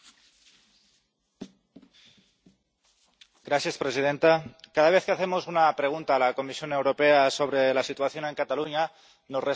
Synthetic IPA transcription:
ɡɾaθjespɾesið̞ent̪akað̞aβ̞eθkeaθemosunapɾeɣ̞unt̪aːlakomisjo̞newɾopeaso̞β̞ɾelasit̪waθjo̞ne̞ŋkat̪aluɲa | nosre

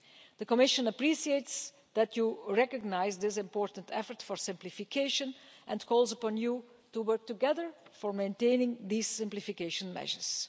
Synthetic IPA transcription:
d̪əkɔmɪʃə̃nəpɹisiets | d̪ætjuɹɛkəɡ̚naɪzd̪ɪs̬ɪ̃mpɔːɹtə̃n̩tɛfəɹtfɔɹsɪ̃mplɪfɪkʰeɪʃə̃nʔɛ̃nkʰɔːlˠzəpɔ̃nju | tuwɜɹk̚tuɡɛðəɹfɔɹmẽntẽɪnɪ̃ŋd̪iːzɪ̃mplɪfɪkeʃə̃nmɛ̰ʒəɹs

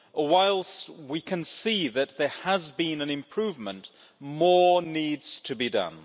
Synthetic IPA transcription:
waɪlˠswikʰɨ̃nsiðɨt̪̚ðə˞əzbĩnɨ̃nɨ̃mpʰɹ̥ʉvmə̃nʔ | mɔɹnidz̥tʰɨbidʌ̰̃n

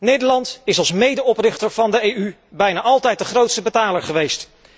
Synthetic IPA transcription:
nejdəlɑntɪsɑlˠsmejdəɔprɪχtəɹvɑndəejy | bɛjnaːʔɑlˠtɛjt̚dəχrowtstəbətaːləɹχəʋejst

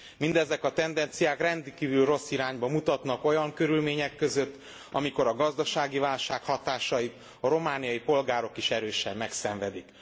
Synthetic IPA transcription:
mind̪ɛzɛkɒt̪ɛnd̪ɛnt̪sijaːkrɛnd̪ikiːvylro̞sːiɾaːɲbɒmut̪ɒt̪nɒko̞jɒŋkø̞ɾylmeːɲɛkːø̞zø̞t̪ː | ɒmiko̞ɾɒɡɒzd̪ɒʃaːɡivaːlʃaːkhɒt̪aːʃɒjit̪ | ɒɾo̞maːnijɒjipo̞lɡaːɾo̞kiʃɛɾøːʃɛmːɛksɛɱvɛd̪ik

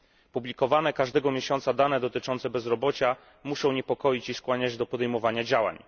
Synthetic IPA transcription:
publʲikɔvanɛkaʐd̪ɛɡɔmʲjeɕɔnt̪sad̪anɛd̪ɔt̪ɘt͡ʂɔnt̪sɛbɛzɾɔbɔt͡ɕa | muʂɔ̃w̃ɲɛpɔkɔjit͡ɕiskwaɲad͡ʑd̪ɔpɔd̪ɛjmɔvaɲad͡ʑawa̰ɲ

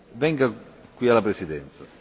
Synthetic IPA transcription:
vɛŋɡakwialapɾɛsid̪ɛnt̪sa

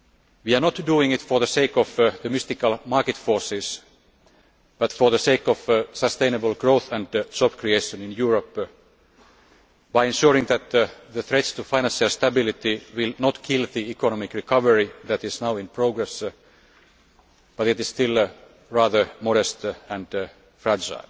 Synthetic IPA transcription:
wiɑnɔt̪duːɪ̃ŋɪt̪fə˞ðəseɪkɔvðəmɪst̪ɪkəlmɑɹkɨt̪foːɹsɪs | b̥ʌt̪fɔ˞ðəseɪkɔv̥səst̪ẽɪ̃nəbəlˠɡɹoʊθæ̃ndd͡ʒɔbkɹieɪʃə̃nɪ̃njuːɹəp | b̥aɪɛ̃nʃuːɹɪ̃ŋðæt̪ðəθɹɛt̪st̪ufaɪnæ̃nsalst̪æbɪlit̪iwɪlnɔt̪kʰɪlˠðiikɔnɔmɪkɹikʰʌʋəɹiðæt̪ɪznaʊɪ̃npʰɹoʊɡɹɛs | b̥ʌt̪ɪt̪ɪz̥st̪ɪl | ɹæːðə˞mɔɾɛst̪æ̃nd | fɹæd͡ʒa̰ɪl

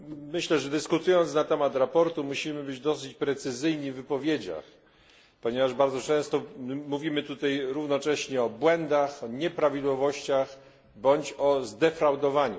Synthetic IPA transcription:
mɘɕlɛʐɛd̪ɘskut̪ujɔnt̪snat̪ɛmat̪ɾapɔɾt̪umuɕimɘbɘd͡ʑd̪ɔsɘt͡ɕpɾɛt̪sɘzɘjɲivːɘpɔvʲjed͡ʑa̰x | pɔɲɛvaʐbaɾd̪zɔt͡ʂɛ̃st̪ɔmuvʲimɘt̪ut̪ajɾuvnɔt͡ʂɛɕɲɛɔbwɛnd̪axɔɲɛpɾavʲid̪wɔvɔɕt͡ɕax | bɔɲt͡ɕɔzd̪ɛfɾawd̪ɔvaɲṵ

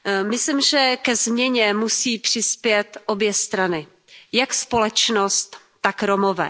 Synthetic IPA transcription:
mɪslimʒɛkɛzmɲɛɲɛmusiːpr̥ɪspjɛt̪ʔo̞bjɛst̪ɾanɪ | jakspo̞lɛt͡ʃnost̪ː | akɾomovɛ̰

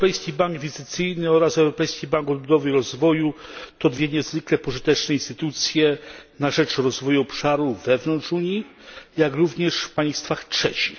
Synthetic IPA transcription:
pɛjskʲibaŋɡvʲizɘt̪sɘjnɘɔɾasɛwɾɔpɛjskʲibaŋkɔd̪̚bud̪ɔvɘɾɔzvɔjut̪ɔd̪vʲjɛɲɛzvɘklɛpɔʐɘt̪ɛt͡ʂnɛinst̪ɘt̪ut̪sʲjɛnaʐɛt͡ʂɾɔzvɔjuɔpʂaɾuvɛvnɔnt͡ʂuɲijakɾuvɲɛʂfpaj̃st̪faxtʂɛt͡ɕi̥x

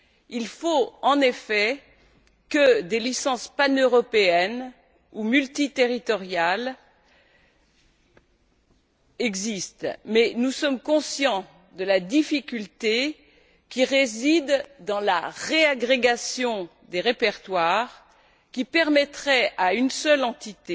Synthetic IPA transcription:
ilfoɑ̃nefɛ | kəd̪elisɑ̃spanøʁɔpeɛn | umylt̪it̪eʁit̪ɔʁjal | ɛɡzist̪mɛnusɔmkɔ̃sjɑ̃ | d̪əlad̪ifikʲylt̪e | kʲiʁezid̪ːɑ̃la̰ʁeaɡʁeɡasjɔ̃ | d̪eʁepɛʁt̪waːʁ | kʲipɛʁmɛt̪χɛaynsœlɑ̃t̪it̪e

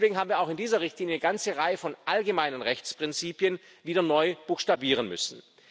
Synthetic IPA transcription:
v̥eːɡŋ̩ɦaːbm̩viːɐaʊxɪndiːzɐʁɪçtliːnjənəɡant͡səʁaɪəfɔnʔalɡəmaɪnənʁɛçt͡spʁ̥ɪnt͡siːpjən | viːdɐnɔʏb̥uːxʃtabiːʁənmʏ̰sn̩

